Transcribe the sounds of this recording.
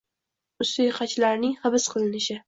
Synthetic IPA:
ʊst̪ʊjqʰɑt͡ʃʰlaɾnɪŋhɨbɪsqʰɨlˠɪnɪʃɪ

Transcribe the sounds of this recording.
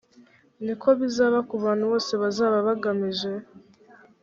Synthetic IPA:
nikʰo̞βizaːβakuβaːn̥huβo̞ːse̞βazaːβaβaɡamiʒe̞

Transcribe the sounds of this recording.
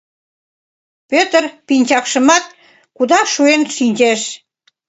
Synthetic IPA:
pʲøt̪ərpinʲt͡ɕɑkʃə̆mɑt̪̚ | kud̪ɑʃuenʃinʲt͡ɕeʃ

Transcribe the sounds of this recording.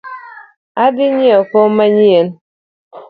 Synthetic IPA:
adiɲiɔkɔmaɲien

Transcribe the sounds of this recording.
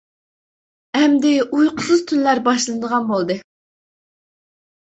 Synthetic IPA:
ɛmd̪ɪujqʰʊ̥sɨz̥t̪ʰynlːæɾbɑʃlˠɨnəd̪əʁɑnbolˠd̪ɨ

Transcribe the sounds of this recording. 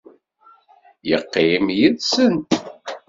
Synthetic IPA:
jəqːimjiðsənt̪

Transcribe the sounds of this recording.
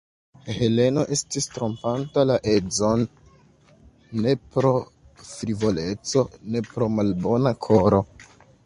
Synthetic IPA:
he̞le̞no̞ʔe̞stistɾo̞mpantalaʔe̞d͡zo̞n | e̞pɾo̞ | fɾivo̞le̞t͡so̞ne̞pɾo̞malbo̞nakʰo̞ɾo̞

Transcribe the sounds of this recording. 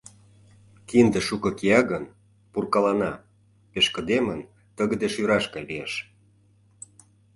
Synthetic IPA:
kind̪ə̆ʃukɤ̆kijɑɣən | purkɑlɑnɑ | peʃkə̆d̪emən | t̪ə̆ɣə̆d̪eʃjyɾɑʃkɑjlijeʃ

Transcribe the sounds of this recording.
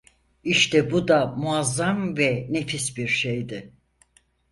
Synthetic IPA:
iʃt̪ʰɛbud̪amuazːamvɛnefisbiɾʃejd̪ɪ

